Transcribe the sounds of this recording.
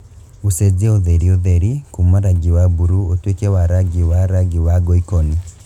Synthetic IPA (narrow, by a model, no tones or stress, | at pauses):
used͡ʒeoðeɾioðeɾikumaɾaɡiwabuɾuotwekɛwaɾaɡiwaɾaɡiwaɡɔikɔni